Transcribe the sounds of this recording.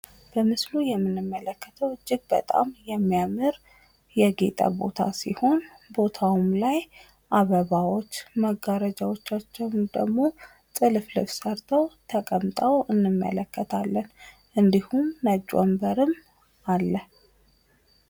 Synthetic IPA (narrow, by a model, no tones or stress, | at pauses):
b̥əmɨslujɛmːɨnːɨmːələkːət̪ʰəwɨd͡ʒːɪɡ̚bə̰t̪ʼa̰mjɛmːijamɨɾ | jɛɡet̪ʼa̰bo̞̰t̪ʰa̰sḭho̞nbo̞t̪ʰawumlaj | ʔaβəβawo̞t͡ʃːməɡaɾəd͡ʒawo̞t͡ʃːat͡ʃːɛwnd̪əɡmo̞ | t̪ʼɨlflɨfsəɾt̪ʰəwt̪ʰəkʼəmt̪ʼəwɨnːɨmːə̰ləkːət̪ʰalːən | ʔɨnd̪ihumːəd͡ʒʼo̰mbəɾɨm | ʔalːəh